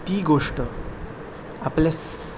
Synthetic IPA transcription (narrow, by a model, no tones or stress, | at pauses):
t̪iːɡoʂʈə | aples